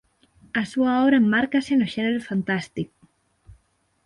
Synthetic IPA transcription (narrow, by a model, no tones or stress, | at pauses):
asuaoβɾaemːaɾkasenoʃeneɾofant̪ast̪ik